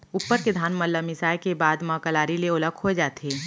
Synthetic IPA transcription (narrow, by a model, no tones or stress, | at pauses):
uːpːəɾked̪ʱaːnməlːəmɪsaːjkebaːd̪mɐ̃kəlaːɾileoləkʰɦoed͡ʒaːt̪eː